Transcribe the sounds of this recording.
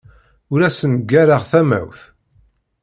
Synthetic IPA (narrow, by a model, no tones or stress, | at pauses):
ʊɾæsənɡːæɾaʁθæmæ̰wθ